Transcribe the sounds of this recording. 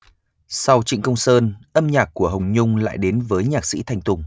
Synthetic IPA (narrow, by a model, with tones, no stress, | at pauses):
sa˧wt͡ɕḭ˧˨ŋ̟kə˧wŋ͡msəː˧nʔə˧mɲaː˨˩k̚ku˧˩əɦə˨˩wŋ͡mɲʊ˧ŋ͡mla̰ː˧˨jɗe˨˦nvəː˨˦jɲaː˨˩k̚sḭ˧˥t̪ʰa˧jŋt̪ʊ˨˧˩ŋ͡m